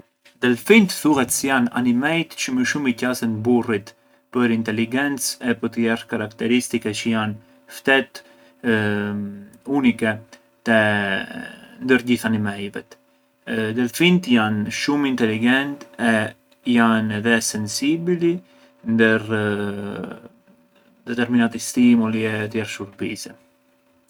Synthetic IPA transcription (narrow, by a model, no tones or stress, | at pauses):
d̪ɛlfint̪θuhɛt̪sɛjana̰nimɛjt̪t͡ʃəməʃumicasənburit̪ | pəɾint̪ɛliɡɛnt͡sɛpəɾt̪əjɛrkaɾakt̪ɛɾist̪ikɛt͡ʃəjan | ft̪ɛt̪ | unikɛ | t̪ɛ | nd̪əɾɟiθanɛmɛjvɛ̰t̪ | d̪əlfint̪janʃumint̪ɛliɡɛnt̪ɛ | janɛðɛsɛnsibli | nd̪əɾ | d̪ɛt̪ɛɾminat̪ist̪imuliɛt̪jɛɾʃuɾbisɛ